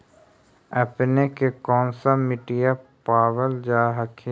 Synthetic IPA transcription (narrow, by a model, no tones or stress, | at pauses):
əpnekekɔ̃ːnsamɪʈijapaːʋəld͡ʒaːɦəkʰi